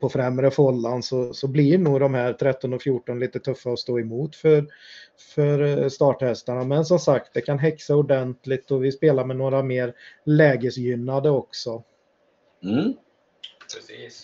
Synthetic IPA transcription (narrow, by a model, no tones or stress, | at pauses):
pʰɔfɾɛmɾəfɔlːansɔsɔblɪɳuːd̪ɔmhæːɾt̪ʰɾɛt̪ːɔnɔfjuːʈɔnliːt̪ət̪ʰɵfːaɔst̪oːɛmuːt̪fœɾ | fœɾst̪ɑːʈhɛst̪aɳamɛns̬ɔmsak̚t̪̚d̪ɛkʰanɦɛksaʊɖɛnt̪lɪt̪ɔvɪspeːlaɾmɛnoːɾameːɾlɛːɡəsjʏnːad̪əɔksɔ | iːs